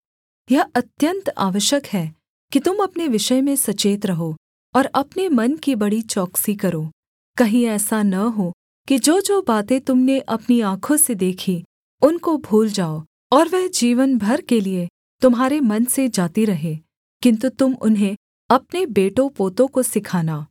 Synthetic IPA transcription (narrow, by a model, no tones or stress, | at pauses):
jɐɐt̪jə̃nt̪a̰ːʋəʃjəkɦɛː | kit̪ʊmɐpneʋɪʃəjmẽsɐt͡ʃeːt̪ɾɐɦo | ɔːɾɐpnemɐnkibɐɽit͡ʃɔːksikɐɾoː | kɐɦĩɛːsanɐɦo | kid͡ʒoːd͡ʒoːbaːt̪ẽt̪ʊmneʔɐpniaːkʰõsed̪eːkʰi | ʊnkobʱuːld͡ʒaːo | ɔːɾʋɛɦd͡ʒiːʋənbʱɐɾkelie | t̪ʊmɦaːɾemɐnsed͡ʒaːt̪iɾɐɦeː | kɪ̃nt̪ut̪ʊmʊ̰nɦẽ | ɐpnebeːʈõpoːt̪õkosɪkʰaːnaː